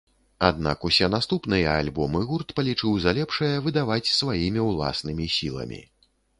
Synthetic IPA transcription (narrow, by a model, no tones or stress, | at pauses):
ad̪na̰kusʲɛnast̪upnɨjɐalʲbɔmɨɣurt̪pɐlʲit͡ʂɨwzalʲɛpʂɐjɐvɨd̪avat͡sʲsvajimʲiwlˠa̰snɨmʲisʲilˠɐ̰mʲḭ